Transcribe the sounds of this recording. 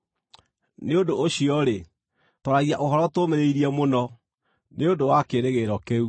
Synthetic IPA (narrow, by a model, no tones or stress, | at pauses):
neodoːɕiɔɾe | tɔɾaɣiaʔoɦɔɾɔtomeɾeiɾiɛmonɔ | neodowakeɾeɣeɾɔkeu